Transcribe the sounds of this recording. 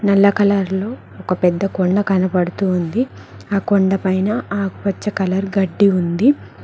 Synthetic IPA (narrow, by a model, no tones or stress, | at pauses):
nɐlːɐkɐlɐɾlo̞ː | ɔkɐpɛd̪ːɐkoɳɖɐkɐnɐpɐɽut̪uːnd̪iaːkoɳɖɐpɐjnɐaːɡupɐt͡ʃːɐkɐlɐɾɡɐɖːiund̪i